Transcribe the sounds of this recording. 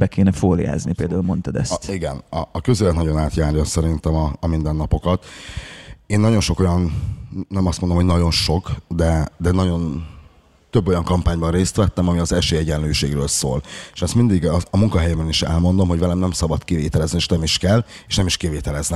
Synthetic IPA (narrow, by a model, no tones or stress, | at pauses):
bɛkeːnɛfoːlḭja̰ːznipeːld̪aːulmo̞nt̪ɒd̪ɛ̰st̪iɡɛnɒːkøzeːlɛt̪nɒɟo̞naːt̪jaːɾjɒsɛɾint̪ɛmɒːmind̪ɛnːɒpo̞kɒt̪ | eːnːɒɟo̞nʃo̞ko̞jɒnː | ɛmɒst̪mond̪oho̞ɟnɒɟo̞nʃo̞kd̪ɛd̪ɛnɒɟo̞n | t̪øbːo̞jɒŋkɒmpaːɲbɒnreːst̪ʋɛt̪ːɛmɒmiɒzɛʃeːɛɟɛnløːʃḛːɡɾø̰ːlso̰ːleʃɛst̪mind̪iɡɒmuŋkɒɦɛjɛmɛniʃɛ̰lmo̞nd̪o̞mɦo̞ɟvɛlɛmnɛmsɒbɒt̪kivḛːt̪ɛlɛznieːʃnɛmiʃkɛlːeːʃnɛmiʃkiveːt̪ɛlɛznɛ